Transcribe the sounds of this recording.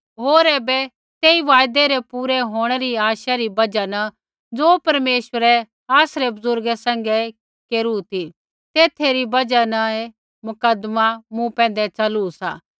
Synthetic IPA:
ɦoːɾɛːbɛ | t̪eːiʋaːjd̪eɾɛpuːɾɛɦoːɽ̃ɛɾiaːʃaɾibɐd͡ʒanɐ̃ | d͡zoːpɐɾmeːʃʋəɾɛ | aːsɾebʊzʊɾɡɛsɛ̃ŋ̆ɡɛ | keːɾut̪i | t̪eːt̪ʰeɾibɐd͡ʒanɐe | mʊkəd̪mamũpɛ̃ːnd̪ɛt͡ʃɐlusa̰ː

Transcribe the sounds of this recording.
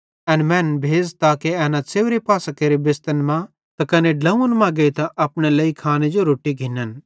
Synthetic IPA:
ɛ̃ːnmɛ̃ːnbʱeːd͡ʒt̪akeɛːnãt͡seːʋɾepaːsakeːɾibɪst̪ənmã | t̪akɐneɖlɐũənmãɡɐit̪aʔɐpɽ̃ɛlɐːikʰaːnẽd͡ʒoɾoːʈːiɡʱɪnːən

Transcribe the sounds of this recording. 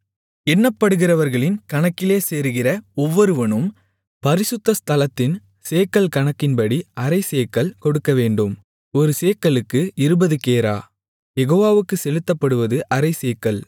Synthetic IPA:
ɛnːɐpːɐɽɯɣɪrɐʋɐɾɣɐɭɪnkɐɳɐkːɪleːseːɾɯɣɪrɐɔʋːɔɾɯʋɐɳɯm | pɐɾɪsɯt̪ːɐst̪ɐlɐt̪ːɪn | seːkːɐlkɐɳɐkːɪnpɐɽiɐɾɐɪseːkːɐlkɔɽɯkːɐʋeːɳɖɯm | ɔɾɯseːkːɐɭɯkːɯɪɾɯbɐðɯkeːɾa̰ː | jɛɣoːʋaːʋɯkːɯsɛlɯt̪ːɐpːɐɽɯʋɐðɯʔɐɾɐɪseːkːɐl

